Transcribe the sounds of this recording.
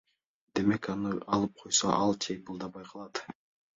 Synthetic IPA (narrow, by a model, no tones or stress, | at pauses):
d̪̥e̞me̞kɑnɯɑlˠɯp̚qʰojso̰ʔɑlˠt͡ʃʰejbɯlˠd̪ɑbɑjqʰɑlˠɑt̪